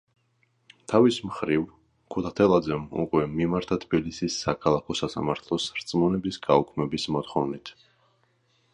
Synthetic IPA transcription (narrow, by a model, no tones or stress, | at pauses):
t̪ʰavismχɾiv | kʰɔt̪ʰat̪ʰɛlˠad̪zɛmṵkʼwɛmimaɾt̪ʰat̪ʰbilisisːakʰalˠakʰɔsasamaɾt̪ʰlˠɔsɾt̪sʼmɔnɛbisɡaukʰmɛbismɔt̪χɔvnit̪ʰ